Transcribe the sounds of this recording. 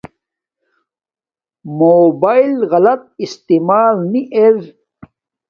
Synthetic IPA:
moːbailɣɐlɐt̪̚ist̪imaːlniʔeɾ

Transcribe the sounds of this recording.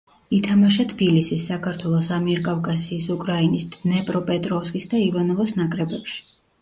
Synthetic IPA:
it̪ʰamaʃ̬at̪ʰbilisisːakʰaɾt̪ʰwɛlˠɔsamiɛɾkʼavkʼasiːsukʼɾainisd̪nɛpʼɾɔpʼɛt̪ʼɾɔfskʼisd̪aivanɔvɔsnakʼɾɛbɛpʃi̥

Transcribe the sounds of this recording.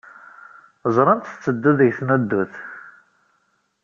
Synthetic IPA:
zˤɾˤənt̪t͡sːəd̪ːuðəʝθnəd̪ːuθ

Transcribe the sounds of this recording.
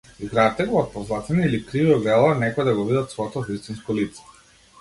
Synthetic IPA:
izɡɾat̪ɛɡɔɔt̪̚pɔzlˠat̪ɛniilikɾiviɔɡɛlˠanɛkɔɛd̪aɡɔvid̪at̪svɔɛt̪ɔvist̪inskɔlit̪sɛ̥

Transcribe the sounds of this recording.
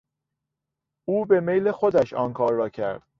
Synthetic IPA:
uːbe̞mejlexo̞d̪æʃɒ̰ːnkʰɒːɾːɒːcʰæ̰ɾd̪̥

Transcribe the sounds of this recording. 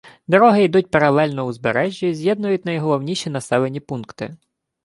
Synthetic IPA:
d̪ɔɾɔɦɪid̪utʲpeɾɐlˠɛlʲnɔuzbeɾɛʒʲːizʲjɛd̪nʊjʊtʲnɐjɦɔlˠɔwnʲiʃʲinɐsɛlˠenʲipunkt̪ɪ̰

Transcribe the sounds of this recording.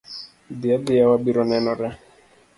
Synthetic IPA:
diadijawabiɾɔnɛnɔɾɛ

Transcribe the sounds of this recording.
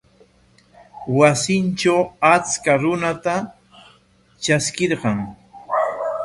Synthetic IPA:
wasɪnt͡ʃawat͡skaɾʊnat̪a | t͡ʃaskɪɾɢɑŋ

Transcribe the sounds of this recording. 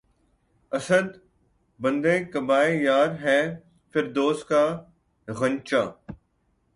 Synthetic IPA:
ɐsəd̪ | bɐ̃nd̪ẽːkɐbaːejaːɾɦɛː | fɪɾd̪oːskaː | ɣɐ̃ɲt͡ʃaː

